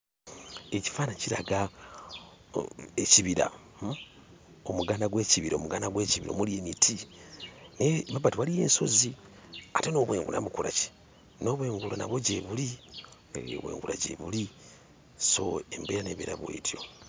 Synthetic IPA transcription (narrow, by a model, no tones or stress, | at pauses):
eci̥faːnaciɾaɡa | eciβiɾa̰ | omuɡaːnaɡwe̞ːciβiɾaomuɡanaɡweːciβiɾo̰muliemitʰi | nemabatiwalije̞ːnso̞ziateno̞ːβwḛːŋɡṵla̰βukuɾa̰ce̥ | no̞βweːŋɡulona̰βoɟeβulḭ | βwḛːŋɡuɾa̰ɟḛβuli | so̞̰embeɾaneβiɾaβwḛːtjo̞̰